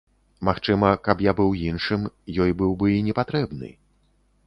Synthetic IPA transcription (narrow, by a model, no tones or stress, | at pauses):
maxt͡ʂɨmɐkɐpjabɨwjinʂɨmjɔjbɨwbɨinʲɛpat̪ɾɛbnɨ̰